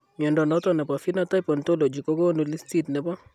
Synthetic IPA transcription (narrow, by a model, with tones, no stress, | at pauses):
mɔ˨ndɔ˨nɔ˦tɔ˦˨na˨pa˨fi˦na˨ta˦jpɔ˨nto˦lo˨d͡ʒi˨ko˦ko˦nu˨li˦sti˦˨tnɛ˨bɔ˦